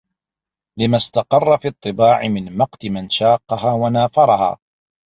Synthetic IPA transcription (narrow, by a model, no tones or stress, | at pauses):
lɪmast̪ɑqɑrˤːɑfiːt̪ˤːɨbaːʕɪmɪnmɑqt̪ɪmanʃaːqːɑɦaːwanaːfɑɾˤɑɦa̰ː